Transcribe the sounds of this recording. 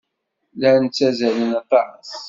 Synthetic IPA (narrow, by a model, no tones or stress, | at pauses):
lænt͡sːæzælənɑt̪ˤːɑɾəs